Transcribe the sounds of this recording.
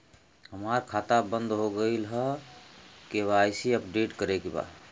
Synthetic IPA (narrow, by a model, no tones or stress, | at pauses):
ɦəmaɾkʰat̪abənd̪ɦoɡəɪlɦə | keβajsiəpɖeʈkəɾekeba̰